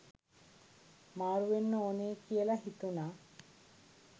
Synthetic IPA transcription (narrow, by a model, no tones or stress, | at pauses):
maːɽuʋenːuoneːkijɐlɐɦit̪una